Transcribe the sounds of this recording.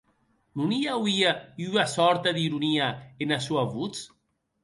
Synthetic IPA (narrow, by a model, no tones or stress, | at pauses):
nuniawiayasɔɾt̪aðiɾuniaenasuaβut͡s